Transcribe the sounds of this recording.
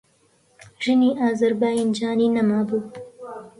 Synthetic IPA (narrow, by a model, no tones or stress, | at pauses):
ʒɨniːʔaːzɐɾbaːjind͡ʒɑːniːnɐmaːbuː